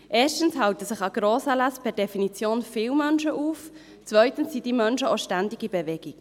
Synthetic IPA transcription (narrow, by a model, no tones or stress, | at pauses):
ʔeːʃtən̩shɑwtəsɪχɑɡ̥ɾoːsælaspʰɛɾdɛfinit͡sjoːnfɪːlmœnʃəʔuːf | t͡svœʏtən̩sːid̥iːmœnʃəoʃtændiɡibevɛɡ̥ik